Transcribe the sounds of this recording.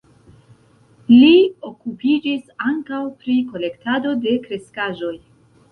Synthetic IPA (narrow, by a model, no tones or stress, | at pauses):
lio̞kupid͡ʒisaŋkawpɾiko̞le̞ktado̞de̞kɾe̞skaʒo̞j